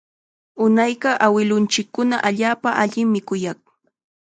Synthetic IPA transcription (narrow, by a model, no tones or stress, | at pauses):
ʊnajɢɑʔawɪlʊnt͡ʃɪkːʊnaʔaʎaːpaʔaʎɪmmɪkʊjɑχ